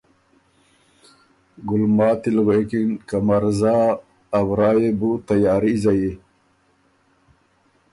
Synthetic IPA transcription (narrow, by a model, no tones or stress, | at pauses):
ɡulmaːt̪ilɣeekinkamaɾzaː | bɾaːjebut̪ajaːɾizaje